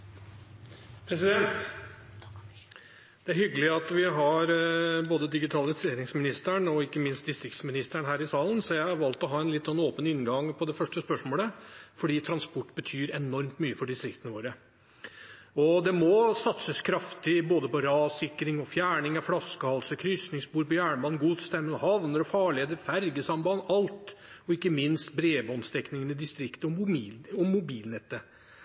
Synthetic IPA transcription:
pʰɾɛsɪd̪ɛnt̪ | d̪̥ɛæɾhʏɡːəlɪɑt̪ʋɪɦɑɾboːd̪əd̪ɪɡɪt̪ʰɑlɪseːɾɪŋsmɪnɪst̪æɳɔɪkːəmɪnst̪d̪ɪst̪ɾɪk̚t̪smɪnɪst̪əɳɦæːɾɪsɑːlənsɔjæɪhɑɾʋɑlt̪ɔɦɑːɛnlɪt̪ːsɔnːoːpənɪnɡɑŋpʰɔd̪ɛfœʂʈəspœʂmoːləfɔɖiːt̪ʰɾɑnspɔʈːbət̪ʰyːɾɛnɔɾmt̪myːəfɔɖɪst̪ɾɪkt̪ənəʋoːɾə | ɔd̪ɛmɔsɑt̪səskʰɾɑft̪ɪboːd̪əpɔɾɑːsɪkːɾɪŋɔfjæːɳɪŋɑflɑskəhɑlsəkʰɾʏsnɪŋsbuːɾpɔjæːɳəbɑnːɡuːd̪st̪ɛmːənɔhɑʋnəɾɔfɑːɭɪəd̪əfæɾɡəsɑmbɑːnɑlt̪ɔɪkːəmɪnst̪bɾeːbɔnst̪ɛknɪŋənɪd̪ɪst̪ɾɪkt̪əɔmːɔmːʊbiːlnɛt̪ːə

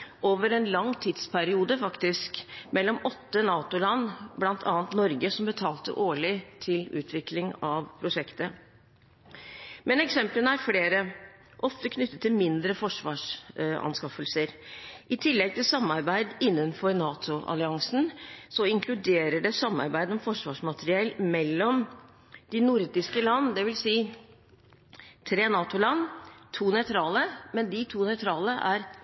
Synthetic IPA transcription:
oːʋəɾɛnlɑŋːt̪ʰid̪spʰæɾɪuːd̪əfɑkt̪ɪskmɛlːɔmɔt̪ːənɑːt̪ʊlɑnːblɑnt̪ʰɑ̰ːnt̪nɔɾɡəsɔmbət̪ʰɑːlt̪ə̰ʔoːɭɪt̪ʰɪlʉ̰ːt̪ʰʋɪklɪŋɑʋpʰɾʊʂɛkt̪ə | mɛnɛksɛmplənəæɾfleːɾə | ʔɔft̪əkʰnʏt̪ːət̪ʰːɪlmɪnd̪ɾəfɔʂʋɑːʂɑ̰nskɑfəlsəɾʔɪt̪ʰɪlːɛɡ̚t̪ʰɪlsɑmːɑɾbæɪd̪ɪnːənfɔɾnɑːt̪ʰʊʔɑ̰lɪɑŋsn̩sɔɪŋkʰlʉd̪eːɾəɖɛsɑmːɑ̰ɾbæɪd̪ɔmfɔʂʋɑːʂmɑt̪ɾɪɛlmɛlːɔm | d̪̥ɪnʊɾd̪ɪskəlɑnːd̪ɛʋɪlsiː | t̪ʰɾeːnɑːt̪ʊlɑnːt̪ʰuːnœʏt̪ʰɾɑːləmɛnd̪ɪt̪ʰuːnœʏt̪ʰɾɑːləʔæɾ

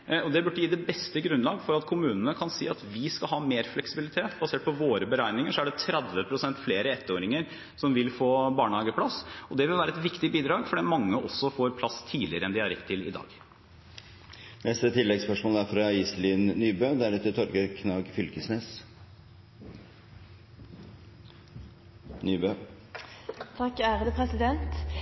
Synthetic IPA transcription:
ɔd̪ɛbʉʈːəjiːd̪ɛbɛst̪əɡɾʉnlɑːɡfɔɾɑt̪kʰʊmʉːnənəkʰɑnsḭːɑt̪ʋɪskɑɦɑːmeːɾflɛksɪbɪlɪt̪ʰeːt̪bɑseːʈ̚pɔʋoːɾəbəɾæɪnɪŋəʂɔæɖɛt̪ʰɾɛd̪ʋəpʰɾʊsɛnt̪fleːɾəɛt̪ːəoːɾɪŋəɾ | sɔmʋɪlfoːbɑːɳəhɑːɡəpʰlɑsɔd̪ɛʋɪlʋæːɾəɛt̪ʋɪkt̪ɪbiːd̪ɾɑːɡfɔɖɛːmɑŋːəʔɔsːɔfoːɾpʰlɑst̪ʰiːlɪɾəɛnd̪ɪhɑɾɛk̪t̪ʰːɪlɪ̰d̪ɑ̰ːɡ | nɛst̪ət̪ʰɪlːɛɡspœʂmoːlæɾfɾɑiːslɪnnyːbøːd̪æɾɛt̪ːət̪ʰɔɾkəɾkʰnɑːɡfʏlkəsneːs | nyːbø | t̪ʰɑkːæɾd̪əpʰɾɛsɪd̪ɛnt̪

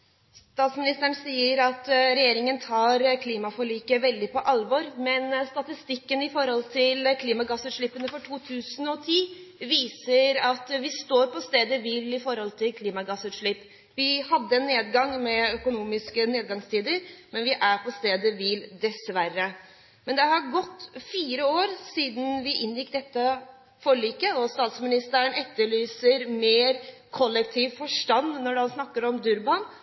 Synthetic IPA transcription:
st̪ɑːt̪smɪnɪst̪əɳsiːəɾɑt̪ɾɛjeːɾɪŋənt̪ʰɑːɾkʰliːmɑfɔɭiːkəʋɛld̪ɪpʰɔʔɑlʋɔɾmɛnst̪ɑt̪ɪst̪ɪkːənɪfɔɾhɔlt̪ʰɪlkʰliːmɑɡɑsʉd̪ʂɭɪpːənəfɔʈʰuːt̪ʰʉːsənɔt̪ʰiːʋiːsəɾɑt̪ʋɪst̪oːɾpɔst̪eːd̪əʋiːlɪfɔɾhɔlt̪ʰɪlkʰliːmɑɡɑsʉd̪ʂɭɪpː | ʋɪhɑd̪ːəɛnːeːd̪ɡɑŋmɛœkʊnuːmɪskəneːd̪̚ɡɑŋst̪ʰiːd̪əɾmɛnʋɪʔæɾpʰɔst̪eːd̪əʋiːld̪ɛsʋæɾːə | mɛnd̪ɛhɑɾɡɔt̪ːfiːɾəoːɾsiːd̪n̩ʋɪʔɪnːjɪkd̪ɛt̪ːə | fɔɭyːkəɔst̪ɑːt̪smɪnɪst̪əəɳɛt̪ːəɭyːsəɾmeːɾkʰɔlːɛk̚t̪ʰiːʋfɔʂʈɑnːnɔɖhɑnsnɑkːəɾɔmd̪ʉɾbɑn

